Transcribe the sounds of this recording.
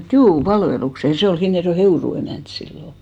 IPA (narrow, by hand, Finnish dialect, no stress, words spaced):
et juː pɑlʋelukse jɑ se ol hinːerjoe heuru emæˑnt silːo